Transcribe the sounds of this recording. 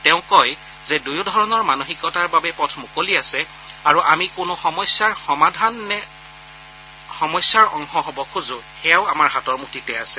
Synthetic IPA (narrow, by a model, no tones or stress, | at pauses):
tɛʊ̃kɔj | zɛdujodʱɔɹɔnɔɹmanoxikɔtaɹbabɛpɔtʰmʊkoliasɛ | aɹuʔamikʊnʊxɔmɔsjaɹxɔmadʱanːɛ | xɔmɔjsjaɹɔŋxɔɦɔbɔkʰuzʊxɛjaʊamaɹɦatɔɹmutitɛasɛ̥